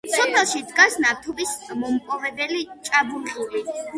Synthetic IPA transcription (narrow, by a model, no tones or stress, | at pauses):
t̪sʰɔpʰɛlˠʃid̪ɡasnat̪ʰɔbismɔmpʼɔvɛbɛlit͡ʃʼabuɾʁuli